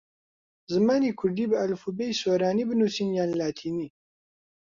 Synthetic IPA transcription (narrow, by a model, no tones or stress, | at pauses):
zɨmaːnikʰʊɾd̪ibəalfubejsoɾaːnibənusinjanlaːt̪ʰiːni